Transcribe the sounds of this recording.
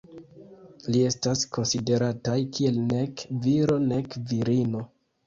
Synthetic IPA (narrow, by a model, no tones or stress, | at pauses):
lie̞stasko̞nside̞ɾatajkʰie̞lne̞kviɾo̞ne̞kviɾino